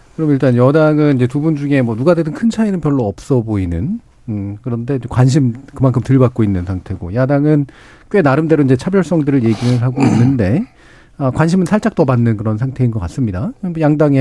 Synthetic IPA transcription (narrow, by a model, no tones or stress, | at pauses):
kɯɾʌmiɭt͈anjʌdaŋɯnid͡ʑe̞tubund͡ʑuŋe̞mwʌnuɡadedɯnkʰɯnt͡ɕʰainɯnpjʌɭːoʌp̚s͈ʌboinɯ̰n | ɯkɯɾʌnde̞iekwanɕ̬ʰimkɯmankʰɯmtɯɭbak͈̚oinːɯnsʰaŋtʰe̞ɡo̰jadaŋɯn | k͈we̞naɾɯmde̞ɾoiɲd͡ʑe̞t͡ɕʰabjʌɭs͈ʌŋdɯɾɯɭje̞ɡiɾɯɭɦaɡoinːɯnde̞ | akwanɕʰimɯnsʰaɭt͡ɕ͈ak̚t͈ʌbanːɯnkɯɾʌnsʰaŋtʰe̞inɡʌk͈ats͈ɯmɲidaʌnmojaŋdaŋe